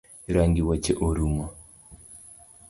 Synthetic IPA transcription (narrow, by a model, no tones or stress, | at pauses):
iɾaːŋɡiwaceʔoɾumwa